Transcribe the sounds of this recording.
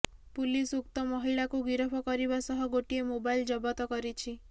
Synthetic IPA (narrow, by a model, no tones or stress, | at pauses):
pulisuk̚t̪ɔmɔɦiɭakuɡiɾɔpʰɔkɔɾibasɔɦɔɡoʈiemobajld͡ʒɔbɔt̪ɔkɔɾit͡ʃʰi